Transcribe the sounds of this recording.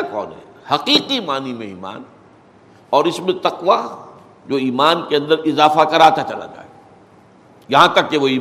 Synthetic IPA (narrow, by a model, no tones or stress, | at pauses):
kɔ̰ːnɦɛ̰ | hɐqiːqimaːnimḛ̃ḭːma̰ːn | ɔːɾɪsmẽt̪ɐqʋa | d͡ʒoːiːmaːnkeɐ̃nd̪əɾɪzaːfakɐɾaːt̪ʰat͡ʃɐla̰d͡ʒa̰ːḛ | jɐɦãt̪ɐkːeʋoiː